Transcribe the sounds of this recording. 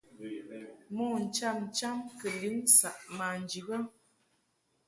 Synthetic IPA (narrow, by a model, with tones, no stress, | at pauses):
mɔ˦˨n̩˨t͡ʃa˦˨mn˨t͡ʃa˦mkə˨li˨˦n˦sa˨ʔma˨n˨d͡ʒi˨ɣə˦